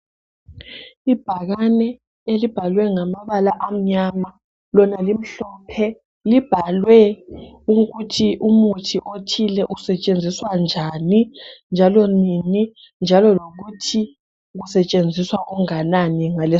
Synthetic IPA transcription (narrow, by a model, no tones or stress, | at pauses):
ib̥ʱaɣanɛ | elib̥ʱalwɛŋamaβalaʔam̩ɲama | lɔnalim̩ɬɔpʰɛ | lib̥ʱalwɛ | uɣutʰiʔumutʰiʔotʰilɛʔusɛt͡ʃʼend͡zʱiswand͡ʒʱanind͡ʒʱalɔnini | nd͡ʒʱalɔloɣutʰi | ɣusɛt͡ʃʼend͡zʱiswaʔɔŋananiŋalɛ